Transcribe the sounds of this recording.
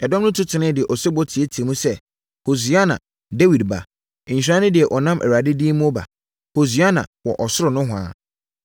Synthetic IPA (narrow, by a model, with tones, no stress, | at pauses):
ɛ˨dɔ̃˦mnʊ̃˦tʰʊ˦tʰɪ˨nɪ̃˦dɪ˨ɛ˨ʔɔ˨sɪ˦bɔ˦tʰi˨e˦tʰmũ˦sɛ˦ | ho˨s̬ɥa˦nã̰˨ | de˦wi˨dba̰˨ | ɪ̃˨ɲ̩˨ɕᶣɾã˦nʊ̃˦dɪ˨ɛ˨ʔɔ˨nã˦mʔɛ̰˨ɾa˨dɪ˦di˦mũ˦ɔ˦ba̰˨ | ho˨s̬ɥa˦nã̰˨wɔ˨ʔɔ˨sʊ˦ɾʊ˨nʊ̃˦ɦʷʊ˨a̰ː˨˦˨